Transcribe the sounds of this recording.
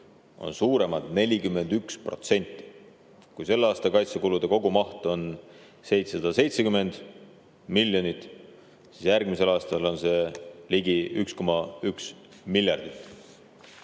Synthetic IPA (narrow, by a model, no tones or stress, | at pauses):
ʔo̞̰nsuːɾe̞mɑd̪̥ne̞lʲikymːe̞nd̪̥ykspro̞̰t̪se̞nʲt̪ˑːi̥ | kujse̞lːɑːst̪ɑkɑjt̪sekulud̪̥e̞ko̞ɡumɑht̪o̞n | se̞jt̪sesɑd̪ɑse̞jt̪sekyme̞nd̪̥ | milʲːjo̞nit̪ːˑ | sisjærɡ̥mise̞lɑːst̪ɑlo̞nse̞liɡiyksko̞mɑyks | milʲjɑrd̪̥it̪ːˑ